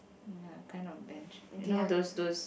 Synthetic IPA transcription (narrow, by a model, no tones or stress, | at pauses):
jakʰãj̃nɔfbɛ̃nt͡ʃdodosdos